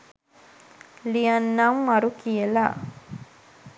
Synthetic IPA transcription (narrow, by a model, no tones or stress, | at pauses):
lijɐnːɐmːɐɾukiela